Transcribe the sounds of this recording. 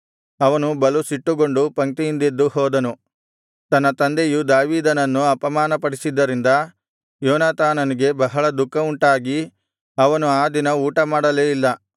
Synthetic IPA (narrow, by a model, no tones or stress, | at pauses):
ɐʋɐnubɐlusiʈːuɡo̞ɳɖupɐŋk̪ijind̪ed̪ːuhɔːd̪ɐnu | t̪ɐnːɐt̪ɐnd̪ejud̪aːʋiːd̪ɐnɐnːuɐpɐmaːnɐpɐɽisid̪ːɐɾind̪ɐ | jɔːnaːt̪aːnɐniɡe̞bɐɦɐɭɐd̪ukːɐuɳʈaːɡi | ɐʋɐnuaːd̪inɐuːʈɐmaːɽɐleːilːɐ